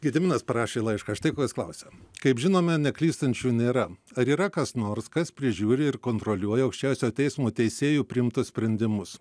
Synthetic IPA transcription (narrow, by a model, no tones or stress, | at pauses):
ɡʲɪd̪ʲɪmʲɪnɐspɐɾɑːʃʲeːlˠɐɪʃkɐɐʃt̪ɐɪkoːkʲɪsklˠɐʊsʲɛkɐɪpʒʲɪnoːmʲɛnʲɛklʲiːst̪ɐnʲt͡ʃʲuːnʲeːɾɐɐɾiːɾɐkɐsnoːɾskɐspʲɾʲɪʒʲuːɾʲɪɪɾkoːnt̪ɾoːlʲuɔjɛɐʊkʃʲt͡ʃʲɛʊsʲoːt̪ʲɛɪsmoːt̪ʲɛɪsʲeːjuːpʲɾʲɪɪmt̪ʊssʲpʲɾʲɛnʲd̪ʲɪmʊs